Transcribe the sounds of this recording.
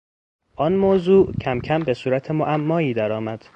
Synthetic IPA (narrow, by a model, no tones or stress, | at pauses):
ʔɒnmoːzuːʔcʰæmcʰæmbe̞suːɾæt̪ʰemoʔæmːɒːiːd̪æɾɒːmæd̪̥